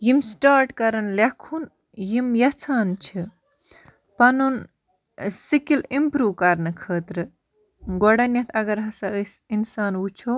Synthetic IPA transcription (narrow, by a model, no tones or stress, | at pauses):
jimsʈaːɾʈkɐɾɐnlekʰun | jimjɐt͡sʰaːnt͡ʃʰi | pɐnun | sikilimpɾuːʋkɐɾnɨkʰəːt̪ɾɨ | ɡɔɽɐnjɐt̪ʰɐɡɐɾɦɐsɐəsinsaːnut͡ʃʰo